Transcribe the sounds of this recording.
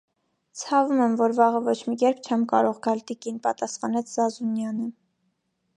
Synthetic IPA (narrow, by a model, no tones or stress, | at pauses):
t͡sʰɑvumɛmvɔɾvɑʁəvɔt͡ʃʰmikɛɾp̚ʰt͡ʃʰɛmkɑɾɔʁɡɑlt̪ikinpɑt̪ɑsχɑnɛt͡sʰz̥ɑzunjɑnə